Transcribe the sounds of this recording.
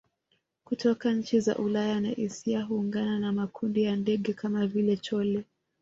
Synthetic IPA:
kutʰɔkaɲ̩t͡ʃiza̰ʔulajana̰ʔisiaɦuːŋɡananamakʰundijandɛɠɛkamavilɛt͡ʃɔlɛ

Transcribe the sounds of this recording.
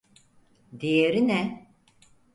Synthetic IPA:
d̪ejeɾinɛ

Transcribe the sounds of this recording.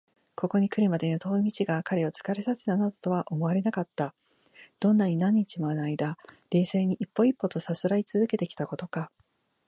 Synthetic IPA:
kʰo̞ko̞ɲ̟ikɯ̟ɾɯ̟mad̪e̞not̪o̞ːmʲit͡ɕiɡakaɾe̞o̞t͡sɨ̥kaɾesasɨ̥nanad̪o̞t̪o̞βaʔo̞mo̞aɾe̞nakat̪ːa | d̪̥õ̞nːaɲ̟inãɲ̟ːit͡ɕimonaid̪a | ɾe̞ːse̞ːɲ̟iʔipːo̞ipːo̞t̪o̞sasɨɾait͡sɨzɨke̞t̪e̞kʲi̥t̪ako̞t̪o̞ka

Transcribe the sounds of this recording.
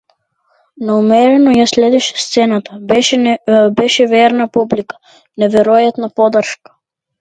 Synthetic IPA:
naumɛɾɛnɔjaslɛd̪ɛʃɛ̥st̪sɛnat̪abʃbɛʃɛvɛɾnapublikḁ | nɛvɛɾɔjat̪napɔd̪rʃkḁ

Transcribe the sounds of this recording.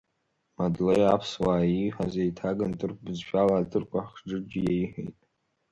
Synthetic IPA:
madlejapʰswaːiħʷᶣazejtʰaɡantʼɨrkʷʰʼbɨzʃᶣalaːtʰʼɨrkʷʰʼaħʈ͡ʂɨd͡ʒʲɪjeiħḛjtʼ

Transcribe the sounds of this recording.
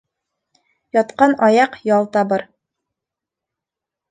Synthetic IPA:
jɒt̪qɑnɑjɑqjɑlˠt̪ɑbɤɾ

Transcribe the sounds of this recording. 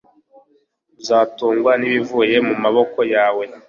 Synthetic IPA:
bzaːtuːŋɡwaniβivuje̞mumaβo̞ko̞jaːwe̞

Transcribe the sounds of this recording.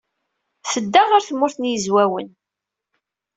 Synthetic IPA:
θəd̪ːaʁaɾθmːʊɾθənjəzwæwə̰n

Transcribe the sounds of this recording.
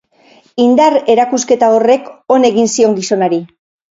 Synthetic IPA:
ind̪are̞ɾakuske̞t̪ao̞re̞ko̞ne̞ɣinsio̞ŋɡiso̞naɾi

